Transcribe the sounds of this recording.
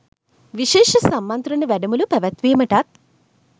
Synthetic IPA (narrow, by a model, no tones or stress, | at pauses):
ʋiʃeːʃɐsɐmːɐnt̪ɾuɳɐʋɛɖɐmulupɛʋɐt̪ʋeːmɐʈɐt̪̚